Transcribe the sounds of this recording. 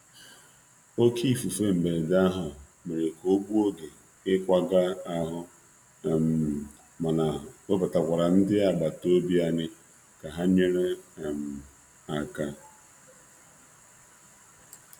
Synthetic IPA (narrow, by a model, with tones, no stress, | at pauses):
o˦kʰi˦˨fu˨fe˦m̩˨be˨e˨da˦ɦʊ˨ | me˨ɾe˨ko˦ɡʷu˦o˦ɡe˨ | ɪ˦kʷa˦ɡa˦a˦ɦʊ˦˨ | m˨ | ma˨na˨ʊ˦pʊ˨ta˨kʷa˨ɾa˨n̩˦dɪ˦a˨ɡ͡ba˨to˦bi˦a˨ɲɪ˦ | ka˨ɦa˦ɲe˦ɾe˦˨m̩˨ | a˨ka˦